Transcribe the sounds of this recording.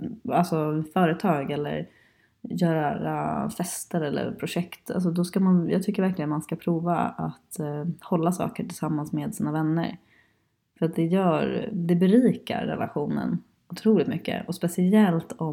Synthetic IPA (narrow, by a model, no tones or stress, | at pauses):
alsɔfœːɾət̪ʰɑːɡɛlːə̰ɾ | jœːɾaɾa̰fɛst̪əɾɛlːə̰ɾpʰɾʊɧɛkt̪a̰ls̬ɔd̪ɔskamanjɑ̰ːɡt̪ʰʏkːəɾvæɾklɪɡənmanskapʰɾuːva̰at̪hɔlːasɑ̰ːkəʈʰɪlsamːansmeːd̪siːnavɛnːə̰ɾ | fœɾat̪̚d̪ɛjœːɾd̪ɛbɛɾiːka̰ɾːɛ̰la̰ɧuːnə̰n | ʊt̪ʰɾuːlɪt̪mʏkːə̰ʔɔspɛsɪɛlt̪ɔ